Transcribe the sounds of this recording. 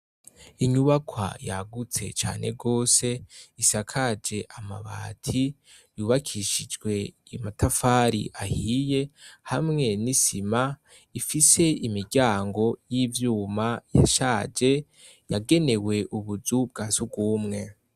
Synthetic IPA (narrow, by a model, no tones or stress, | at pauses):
iɲuβakʰwa̰jaɡut͡se̞̰t͡ʃa̰ːne̞̰ɡo̞ːse̞isakʰad͡ʒe̞ʔama̰βa̰ːtʰi | juːβakʰiʃid͡ʒɡwe̞matʰafaːɾḭʔahije̞hamŋe̞nisima | ifise̞imiɾɟaːŋɡo̞jiːvjuːmaja̰ʃaːd͡ʒe̞ | jaɡe̞ne̞we̞ʔuβuzubɡaːsub̚ɡuːmŋe̞